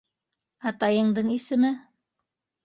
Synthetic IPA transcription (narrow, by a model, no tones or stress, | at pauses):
ɑt̪ɑjɤ̆ɴd̪ɤɴisɘ̆mɘ